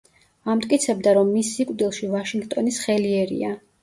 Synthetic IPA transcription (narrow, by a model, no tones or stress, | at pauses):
amt̪ʼkʼit̪sʰɛb̚d̪aɾɔmːisikʼd̪ilˠʃivaʃiŋɡt̪ʼɔnisχɛliɛɾḭa